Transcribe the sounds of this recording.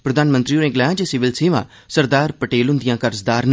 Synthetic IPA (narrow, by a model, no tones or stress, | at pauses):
pɾəd̪aːnmə̃nt̪ɾioɾẽːɡlɛːãːd͡ʒesɪʋɪlseːʋã̰ː | səɾd̪aːɾpəʈeːlɦʊ̃nd̪ɪjãːkəɾzd̪aːɾn